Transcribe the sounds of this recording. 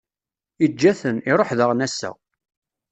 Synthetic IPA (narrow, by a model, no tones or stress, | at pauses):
id͡ʒːæθəniɾˤoħðəʁnæsːæ̰